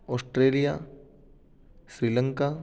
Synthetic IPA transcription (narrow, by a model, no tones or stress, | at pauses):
ɔːsʈɾeːlija | sɾiːlə̃ŋka